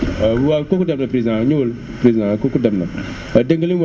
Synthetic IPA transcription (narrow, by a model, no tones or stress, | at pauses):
wakokudamnapɾizãɲol | pɾezãkokudamna | adeŋɡəliwa